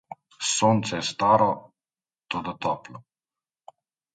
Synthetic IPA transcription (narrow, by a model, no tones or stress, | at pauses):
soːnt̪sɛjɛst̪aːɾɔ | t̪od̪ɔt̪ɔplɔ